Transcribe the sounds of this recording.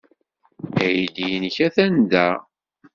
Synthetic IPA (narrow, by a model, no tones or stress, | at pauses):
æjd̪jənəçæθænd̪æ